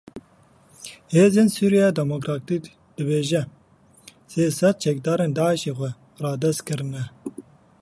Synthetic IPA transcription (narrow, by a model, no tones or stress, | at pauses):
heːzeːnsuːɾijɛd̪ɛmokɾɑːt̪ik | d̪̥ɨbeːʒɛ | seːsɛt̪̚t͡ʃʰɛk̚d̪ɑːɾeːnd̪ɑːʕəʃeːxʷɛ | rɑːd̪ɛst̪̚kɨɾɨnɛ